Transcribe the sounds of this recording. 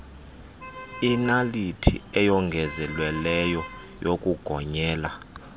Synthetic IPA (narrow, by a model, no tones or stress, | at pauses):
inalitʰḭɛjɔŋɡʱɛzɛlwɛlɛjɔ | jokʼuɡ̥ʱɔɲɛːla